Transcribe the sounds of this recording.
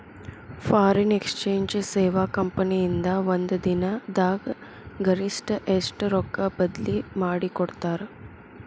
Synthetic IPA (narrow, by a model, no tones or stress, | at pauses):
faːɾenekst͡ʃeːɲd͡ʒseːʋakɐmpəniːnd̪aʋɐnd̪əd̪inad̪aːɡ | ɡɐɾisʈʔesʈɾokːabɐd̪limaːɽikoɽt̪aːɾ